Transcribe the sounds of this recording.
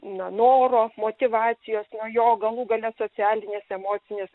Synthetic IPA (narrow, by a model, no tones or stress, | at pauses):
nɐnoːɾoːmoːt̪ʲɪʋɑːt͡ssʲɪjoːsnojoːɡɐlˠuːɡɐlʲɛsoːt͡sʲæːlʲɪnʲeːsɛmoːt͡ssʲɪnʲeːs